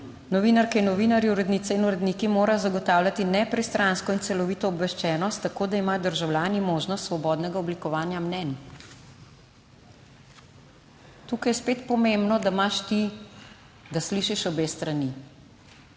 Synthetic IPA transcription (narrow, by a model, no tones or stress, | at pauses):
nɔʋiːnaɾkainːɔʋinaɾjiuɾɛd̪niːt̪sɛinuɾɛd̪niːkimoːɾajɔzaɡɔt̪aːwlʲjat̪inɛpɾɛst̪ɾanskɔinsɛlɔʋiːt̪ɔːbʋɛʃt͡ʃɛːnɔst̪ːakoːd̪aimaːjɔd̪əɾʒawlʲjaːnimoːʒnɔst̪sʋɔbɔːd̪nɛɡaɔblikɔʋaːnjamnɛn | t̪uːkajɛspeːt̪pɔmembnɔd̪amaʃt̪i | d̪asliʃiʃɔbeːst̪ɾani